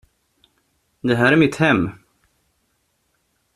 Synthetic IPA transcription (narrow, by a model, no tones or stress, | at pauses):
d̪ɛɦæːɾæɾmɪt̪hɛmː